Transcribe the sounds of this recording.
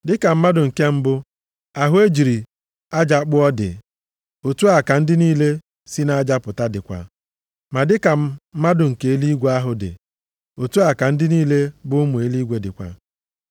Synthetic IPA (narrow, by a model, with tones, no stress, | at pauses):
dɪ˦ka˨m̩˦ma˦dʊ˨ŋ̩˨ke˦m̩˦bʊ˦ | a˨ɦʊ˦e˦d͡ʒi˨ɾi˨ | a˦d͡ʒa˦k͡pʊ˦ɔ˦dɪ̰˨ | o˨tu˦a˨ka˨n̩˦dɪ˦niː˦le˦ | si˦na˦a˦d͡ʒa˦pʊ˨ta˦dɪ˨kʷa̰˨ | ma˨dɪ˦ka˨˦ma˦dʊ˨ŋ̩˨ke˨e˦li˦ɡʷu˦a˦ɦʊ˨dɪ̰˨ | o˨tu˦a˨ka˨n̩˦dɪ˦niː˦le˦bʊ˦mʊ˨e˦li˦ɡʷe˦dɪ˨kʷa̰˨